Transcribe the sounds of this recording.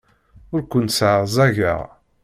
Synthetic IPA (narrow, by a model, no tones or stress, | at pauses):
ʊɾkʷʊnsʕzˤæʝə̰ʁ